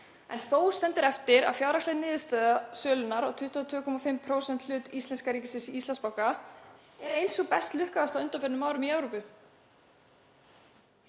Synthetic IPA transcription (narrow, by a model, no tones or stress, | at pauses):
ɛ̰nθowst̪ɛnt̪ɪɾɛft̪ɪɾa̰ðfjaːwɾaklɛðnɪːðɪst̪œːðasœːlʏnaɾɔɣt̪ʰʏht̪ʰvat̪ʰvʏːkʰɔmafɪmpʰɾoːwsɛnt̪l̥ʏːt̪ist̪ɛnskaɾiːcɪsɪsiist̪anspawka | ɛɾejnsɔɣpɛst̪lʏhkaðast̪aðʏnt̪anfɪɾɪnʏmaːwɾʏmiɛwɾowpʏ